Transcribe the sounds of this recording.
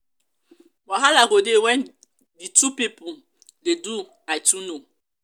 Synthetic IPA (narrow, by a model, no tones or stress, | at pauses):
waɦalaɡodewɛn | ditupipu | dedu | ajtuno